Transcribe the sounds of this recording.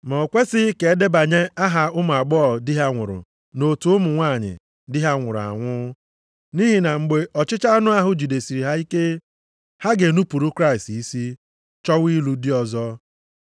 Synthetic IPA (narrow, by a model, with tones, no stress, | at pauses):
mɔ˨kʷe˦sɪ˦ke˨e˦de˦ba˨ɲe˦a˦ɦa˨ʊ˦mʊ˨a˨ɡ͡bɔː˦˨dɪ˦ɦa˦ŋʷʊ̰˨ɾʊ̰˨ | no˨tu˦ʊ˦mʊ˨ŋʷaː˦˨ɲɪ̰˨ | dɪ˦ɦa˦ŋʷʊ˨ɾʊ˨a̰˨ŋʷʊ˦ | ni˦ɦi˨na˨ŋ͡m̩˨ɡ͡be˨ɔ˨t͡ʃɪ˦t͡ʃa˦nʊ˦a˦ɦʊ˦d͡ʒi˨de˨si˨ɾi˨ɦa˦i˦ke˦ | ha˦ɡe˨nu˦pu˨ɾu˦kɾa˦ɪ˨sti˦si˦ | t͡ʃɔ˦wi˦lu˦dɪ˦ɔ˨zɔ˦